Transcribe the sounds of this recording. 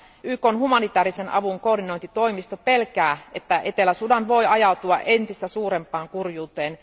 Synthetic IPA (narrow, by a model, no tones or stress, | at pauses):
ʔyːkonɦumɑnit̪æːɾisenʔɑ̰ʋuŋko̞ːrdino̞int̪it̪o̞imist̪ope̞lkæːet̪ːæʔet̪elæsudɑnʋo̞jɑjɑut̪uɑ̰ʔent̪ist̪æsuːɾempˑɑːŋkurjuːt̪eːn